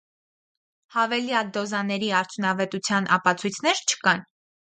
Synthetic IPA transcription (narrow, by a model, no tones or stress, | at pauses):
hɑvɛljɑd̪ɔzɑnɛɾiɑɾt͡sʰjunɑvɛt̪ut͡sʰjɑnʔɑ̰pɑt͡sʰujt͡sʰnɛɾt͡ʃʰə̥kɑn